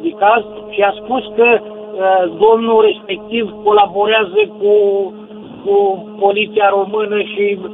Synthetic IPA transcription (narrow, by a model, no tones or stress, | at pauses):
d̪ikaz | ʃiaspuskə | d̪o̞mnure̞spe̞k̚t̪ivko̞labo̞ɾeazəku | kupo̞lit̪siaɾo̞mɨnəʃi